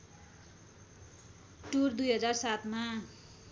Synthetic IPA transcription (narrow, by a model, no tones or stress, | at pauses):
ʈurd̪ujɦʌd͡zarsat̪ma